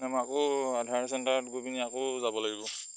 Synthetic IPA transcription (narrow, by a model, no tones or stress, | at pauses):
amakoadʱaɹsɛntaɹɔtɡopiniakozabɔlaɡibɔ